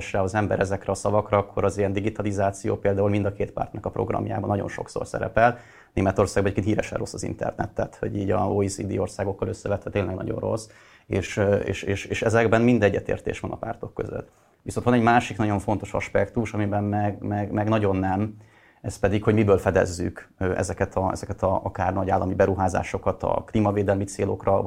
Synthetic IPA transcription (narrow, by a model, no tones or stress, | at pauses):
ʃrɛɒzɛmbɛ̰ɾʔɛzɛkrɛɒsɒvɒkrɒɒkʰːo̞ɾɒzijɛnd̪iɡit̪ɒlizaːt̪sijo̰ːpeːld̪aːulmind̪ɒkeːt̪pa̰rt̪nɒkɒpro̞̰ɡrɒ̰mja̰ːbɒnɒɟo̞̰nʃo̞̰kso̰rsɛ̰ɾɛ̰pɛl | neːmɛt̪o̞rsaːɡbɒɛckeniːɾɛʃɛ̰nro̞sːɒzḭnt̪ɛ̰rnɛ̰t̪ːaːt̪ho̞̰ɟiːɟɒoːisiːd̪ḭːo̞rsaːɡo̞kːɒløsːɛvɛt̪ʋɛt̪eːnlɛɡnɒ̰ɟo̞̰nro̞̰s | eːʃḛːʃeːʃeːʃɛzɛɡbɛnmind̪ɛɟːɛt̪ḛːrt̪ḛːʃʋɒnʔɒpa̰ːrt̪o̞kːø̰zø̰t̪ː | ʋiso̞nt̪vɒnɛɟmaːʃiknɒɟo̞ɱfo̞nt̪o̞ʃɒ̰ʃpɛkt̪uʃɒmibɛmmɛɡmɛɡmɛɡnɒɟo̞nːɛm | ɛspɛd̪ikho̞ɟmibøːlfɛd̪ɛ̰zːy̰kʔɛ̰zɛkɛt̪ʰɒɛ̰zɛkɛt̪ɒɒkaːrnɒɟaːlːʔɒmibɛɾuɦaːza̰ːʃo̞kɒt̪ɒ̰klimɒveːd̪ɛlmit̪seːlo̞krɒ